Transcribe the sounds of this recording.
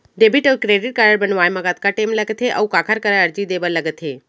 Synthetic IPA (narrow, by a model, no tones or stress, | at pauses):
ɖebʱiʈəwkɾeːɖɪʈ̚kaɾəɽbənʋaːjmɐɡat̪̚kaʈeːmlɐɡət̪ʰeʔɐ̰ukakʰaɾkəɾəɐɾd͡ʒid̪eːbəɾlɐɡət̪ʰɦeː